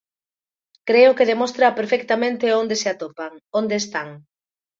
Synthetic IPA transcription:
kɾeʊkeðemost̪ɾapeɾfek̚t̪amẽnt̪eond̪eseat̪opaŋond̪eːst̪aŋ

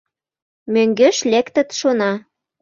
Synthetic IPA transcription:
møŋɡeʃlekt̪ə̆t̪ʃonɑ

